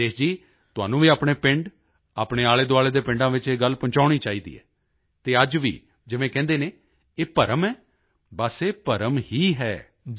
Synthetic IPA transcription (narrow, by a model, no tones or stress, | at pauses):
d̪eːsd͡ʒiː | t̪ʊa̰ːnũːʋiːaːpɽeːpɪɳɖ | aːpɽeːaːɭeːd̪oaːleːd̪eːpɪ̃ɳɖãːʋɪt͡ʃeːɡəlpʊ̃ɲt͡ʃaːʊɽ̃iːt͡ʃaːiːd̪ḭːɛ̰ː | t̪eːəd͡ʒʋḭː | d͡ʒɪʋẽːkɛ̃ːnd̪eːnẽː | eːpəɾəmɛː | bəseːpəɾəmhiːɦɛː